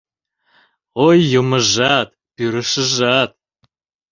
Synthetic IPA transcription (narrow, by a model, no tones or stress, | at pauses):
ojːoməʒɑt̪ | pyɾə̆ʃə̆ʒɑt̪̚